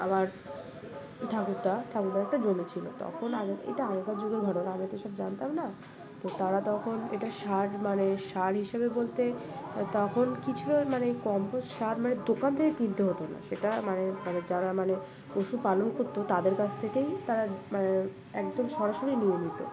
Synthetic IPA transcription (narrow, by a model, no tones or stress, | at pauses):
a̰maɾ | ʈʰakuɾt̪aʈʰakuɾd̪aɛk̚ʈad͡ʑomit͡ɕʰilo̰t̪ɔ̰kʰonaɡeḛjʈaaŋkad͡ʑuɡeɾbʱaɽonamiat̪oeʃɔbd͡ʑant̪amna | t̪ot̪aɾat̪ɔkʰoneʈaʃaɾmaneʃaɾɦiʃebebolt̪et̪ɔkʰonkit͡ɕʰilomanejkɔmpoʃaɾmaned̪okant̪ʰeket̪id̪ʱːoɦot̪ona̰ʃeʈamanemaned͡ʑaɾamane | oʃupalonkoɾt̪ot̪ad̪eɾkat͡ɕʰt̪ʰekejt̪aɾamane | ɛkd̪omʃɔɾaʃoɾinijenit̪o̰